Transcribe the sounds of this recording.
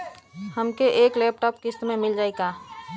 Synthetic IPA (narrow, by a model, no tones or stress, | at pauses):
həmkeʔeːklɛːp̚ʈɔːpkɪst̪mẽmɪld͡ʒaːekaː